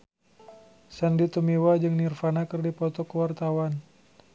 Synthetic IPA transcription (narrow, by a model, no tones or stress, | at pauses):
səndit̪umiwad͡ʒɨŋnirfanakərdipɔt̪ɔkəwart̪awan